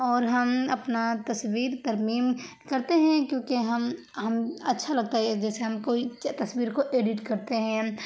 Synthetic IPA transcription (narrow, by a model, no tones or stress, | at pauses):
ɔːɾɦɐmɐpnat̪ɐswiːɾt̪ɐɾmiːm | kɐɾt̪eɦɛ̃kjõːkeɦɐm | ɦɐmɐtːʃʰalɐɡ̚t̪aɦɛd͡ʒɛːseɦɐmkoit̪ɐswiːɾkoʔeːɖɪʈkɐɾt̪eɦɛ̃